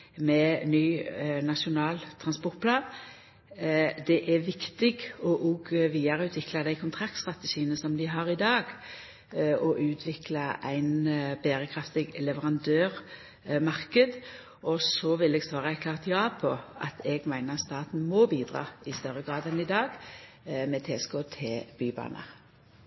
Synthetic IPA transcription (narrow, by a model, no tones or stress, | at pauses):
mɛnyːnɑʂʊnɑːlt̪ʰʁɑnspɔɾʈ̪̚pʰlɑːn | d̪ɛʔæʋɪkt̪ɪɡɔʔɔːɡʋiːɑɾəʉːt̪ʋɪklɑd̪æɪkʰʊnt̪ʰɾɑk̚t̪st̪ʁɑt̪əʃiːənəsɔmd̪ɪɦɑɾɪd̪ɑːɡ | ɔʔʉːt̪ʰʋɪklɑʔæɪnbæːɾəkʰɾɑft̪ɪɡlɛʋəʁɑnd̪øːʁ | mɑʁkəd̪ | ɔsɔʋɪlɛɡsʋɑːʁəækʰlɑːʁt̪jɑːpʰɔʔɑ̰t̪ʰɛɡmæɪnət̪st̪ɑːt̪n̩mɔbiːd̪ʁɑ̰ːɪst̪œɾəɡʁɑːd̪ɛnɪd̪ɑːɡ | mɛt̪ʰeːskoːt̪ʰɪlb̥yːbɑ̰ːnʔə̰